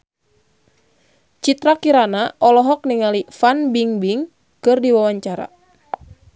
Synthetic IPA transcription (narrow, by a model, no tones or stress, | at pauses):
t͡ʃit̪ɾakiɾanaʔɔlɔɦɔk̚niŋalifanbiŋbiŋ | kɨrdiwawaɲt͡ʃaɾa̰